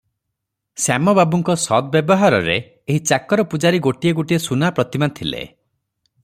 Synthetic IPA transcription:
samɔbabuŋkɔsɔd̪ɔbjebɔɦaɾɔ̰ɾḛː | ɦit͡ʃakɔɾɔpud͡ʒaɾiɡoʈieɡoʈiesunapɾɔt̪imant̪ʰilḛ

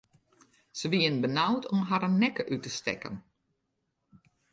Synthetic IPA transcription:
səʋiənbənawtʰɔmɦaɾənːɛkəʔytəstɛ̰kə̰n

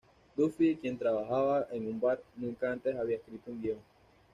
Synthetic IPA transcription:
d̪ufikje̞nt̪ɾaβaxaβaʔeŋumbaɾnũŋkaant̪e̞saβiaeskɾit̪ouŋɡ̪je

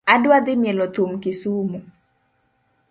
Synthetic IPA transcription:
adwad̪ɪmjɛlɔt̪omkɪsumu

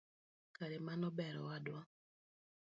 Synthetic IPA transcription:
kaɾemanɔbɛɾɔ̰wadwa

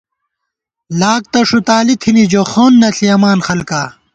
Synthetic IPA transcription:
laːk̚t̪ɐʂut̪aːlit̪ʰinid͡ʑoxoːnːɐɬʰiɐmaːnxɐlkaː

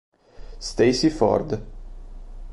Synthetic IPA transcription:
st̪ejsifɔ̰rd̪

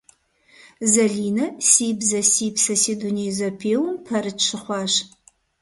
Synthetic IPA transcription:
zɐɮiːnɐsiːbzɐsiːpsɐsiːduneːzɐpʰeːwʊmpʰɐɾɨtʂɨχʷɑːʃ

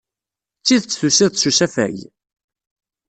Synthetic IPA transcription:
t͡sːiðt͡sːθusiðʃusæfæ̰j

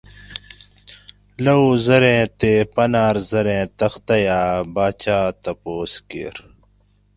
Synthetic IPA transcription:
lɐuːzɐɾẽːt̪eːpɐnaːɾzɐɾẽːt̪ɐxt̪ɐjaːbaːt͡ɕaːt̪ɐpoːskḛːɾ

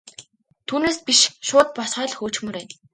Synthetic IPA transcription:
t̪ʰuːneːspiʃʃʊːt̪̚pɔsχœːɮxoːt͡ɕxmɵ̆ɾeːn

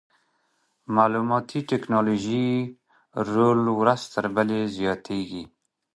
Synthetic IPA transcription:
maːlumɑt̪ʰiʈeknɑloʒi | ɾoːlwɾaz̥t̪əɾbalezjɑːt̪ʰeɡi

